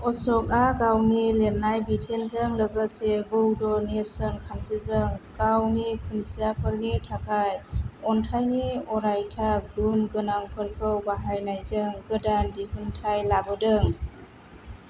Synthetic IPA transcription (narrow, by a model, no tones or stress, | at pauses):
ɔsɔk̚akawnileɾnajbitʰelzəŋləɡəsebɔwdɔneɾsɔnkʰansizɯŋkawnikʰɯnsʰijapʰəɾnitʰakʰajɔntʰajniɔɾajtʰak̚dunɡɯnaŋpʰəɾpʰɯwbaɦajnajzɯŋɡɯdandipʰɯntʰajlabɯdɯŋ